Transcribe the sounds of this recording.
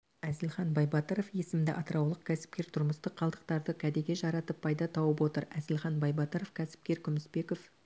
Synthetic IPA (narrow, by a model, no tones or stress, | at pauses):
æzɪlχɑnbɑjbɑt̪əɾo̞fje̞sɪmd̪ɪʔɑt̪əɾɑwlˠəq̚kʲʰæsɪ̥p̚kʲe̞ɾt̪ʰʊɾməst̪əqʰːɑlˠd̪əq̚t̪ɑɾd̪əkʲʰæd̪eɡʲe̞ʒɑɾɑt̪əpʰːɑjd̪ɑt̪ʰɑwəpwo̞t̪əɾæzɪlχɑnbɑjbɑt̪əɾofkʲʰæsɪ̥p̚kʲe̞ɾkʲʰʏmɪsbe̞ko̞f